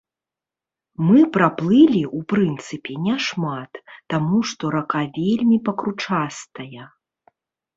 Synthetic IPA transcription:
mɨpɾaplˠɨlʲiʔupɾɨnt̪sɨpʲɛnʲɛʂmat̪ːamuʂt̪ɔɾakavʲelʲmʲipɐkɾut͡ʂast̪ɐjɐ

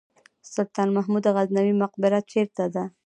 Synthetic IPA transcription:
sʊɾt̪ɑnmaɦmud̪aɣaznawimʊq̚bɪɾat̪̚t͡ʃeɾt̪ad̪a

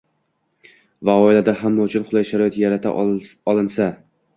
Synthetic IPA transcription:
vaɒɪlad̪aɦamːaʊt͡ʃʰʊnχʊlˠajʃaɾɒjet̪jaɾat̪ʰa̰ɒlˠɪnsa

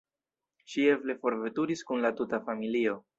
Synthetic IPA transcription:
ʃie̞vle̞fo̞ɾve̞tuɾiskunlatutafamilio̞

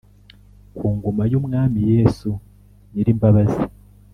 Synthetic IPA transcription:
kʰuːŋɡomajumŋaːmijeːsu | ɲiɾimbaβazi

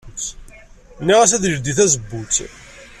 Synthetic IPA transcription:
t͡sː | nːiʁæsæðiɾd̪iθæzəbːut͡sː

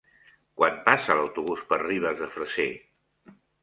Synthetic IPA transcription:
kwʔanpasələwt̪uβuspərriβ̞əzðəfɾəse

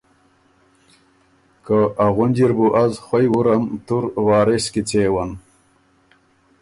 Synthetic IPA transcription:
kaaɣunʲd͡ʑiɾbuʔazxwajwuɾamt̪uɾwaːɾeskit͡seːwan

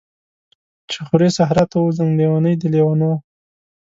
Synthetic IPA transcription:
t͡ʃexʊɾesaɦɾat̪awuzaŋlewanəjd̪əlewano

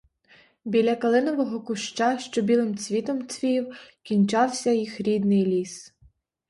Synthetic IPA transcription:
bʲilʲɐkɐlˠɪnɔʋɔɦɔkʊʃt͡ʃaʃt͡ʃɔbʲilˠɪmt͡sʲʋʲit̪ɔmt͡sʲʋʲijiwkʲinʲt͡ʃɑwsʲɐjixɾʲid̪nɪjlʲis

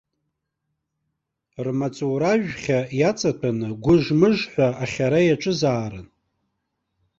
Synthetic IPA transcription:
rmat͡sʼoɾaʒᶣχʲajat͡sʼatʰanɨɡʷʊʐmɨʐħʷᶣaaχʲaɾajaʈ͡ʂʼɨzaːɾɨ̰n

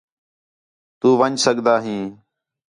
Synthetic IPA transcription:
t̪uːʋəɲsəɠd̪aːɦĩː

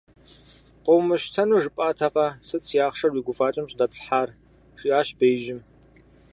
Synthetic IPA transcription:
qʷowmɨɕtʰɐnuːʐɨpʼaːtʰɐqɐsɨt͡sʰʼijaːχʂɐrwiːɡʷʊfaːt͡ʃʼɪmɕʼdɐpɬħaːr | ʂiːaːɕbejʒɪm

